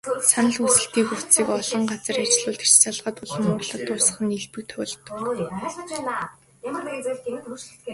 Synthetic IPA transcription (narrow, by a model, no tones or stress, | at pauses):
sanə̆ɮxusɘ̆ɬt̪iːŋxuw̥t͡siːkɔɮɞ̆ɴɢat͡sə̆rat͡ɕɪ̆ɮʊːɮt̪e̥t͡ɕt͡saɮʁə̆t̪ʊɮə̆mʊːrɮə̆t̪ʊːsə̆χə̆niɮpɘ̆k̚t̪ʰœɮt̪ɞ̆kɮə̆t͡ɕpæːna | jamə̆ret͡seɮt̪ʰemɘ̆t̪ʰuʃɘ̆ɬt̪ɡe